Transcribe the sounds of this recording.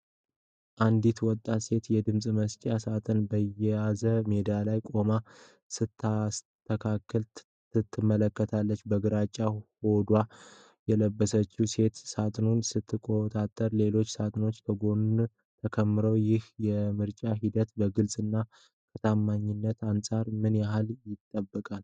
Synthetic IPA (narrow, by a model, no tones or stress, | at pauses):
ʔand̪it̪wɔt̪ʼːase̞t̪jɛd̪ɨmsʼməst͡ʃʼasat̪ʼɨnbəjɛjazəme̞d̪alajkʼo̞ma | sɨt̪ʰːa | t̪ʰːəkʰakʰːəl | ɨt̪ʰːɨmːələkːət̪ʰalːət͡ʃːbəɡɨɾat͡ʃʼːaho̞d̪wa | jɛləbːəsət͡ʃːuse̞t̪sat̪ʼɨnunsɨt̪ʰːɨkʼo̞t̪ʼat̪ʼːəɾle̞lo̞t͡ʃːsat̪ʼɨno̞t͡ʃːt̪ʰəɡo̞nun | t̪ʰəkʰəmːɨɾəwjɪhjɛmɨɾt͡ʃʼaɦid̪ət̪bəɡɨlsʼɨnːa | kʰət̪ʰamːaɲːɪnːət̪ansʼaɾmɨnjaɦaljɪt̪ʼːəbːəkʼal